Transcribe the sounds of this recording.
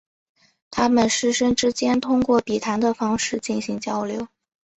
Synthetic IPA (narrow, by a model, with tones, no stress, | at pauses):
t̪ʰa˥mə˨nʂɻ̩˥˧ʂə˥nʈ͡ʂɻ̩˥t͡ɕjɛ˥nt̪ʰʊ˥ŋkwɔ˥˩pi˨˩t̪ʰa˧˥nd̪ə˧fɑ˥ŋʂɻ̩˥˧t͡ɕi˥˩nɕi˧˥ŋt͡ɕjɑ˥ʊljo˧˥˦ʊ